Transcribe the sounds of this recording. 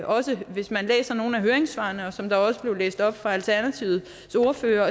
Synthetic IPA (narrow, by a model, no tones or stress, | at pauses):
ʔɒ̽səʋe̝smænlḛːsɐno̝ːn̩æɦøːɐeŋsʋɑ̰̈ːnəɒ̽sɒ̽md̥ɑ̈ɒ̽səb̥le̝ʊlḛːsd̥ɒ̽b̥fʁɑ̈ælt͡sʰæɐnæt͡sʰiʊð̩ˠ | so̝ɐfø̰ːɐ